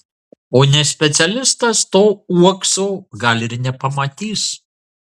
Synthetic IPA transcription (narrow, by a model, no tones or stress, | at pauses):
oːnʲɛsʲpʲɛt̪sʲɛlʲɪst̪ɐst̪oːuɔksoːɡɐlʲɪɾnʲɛpɐmɐt̪ʲiːs